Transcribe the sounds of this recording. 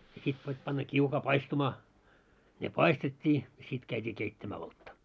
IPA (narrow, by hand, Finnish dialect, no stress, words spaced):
jɑ sit pitʲ pɑnːɑ kiukɑː pɑistumɑː ne pɑistetʲːiː jɑ sit kæitʲiː keitːæmæː oltːɑ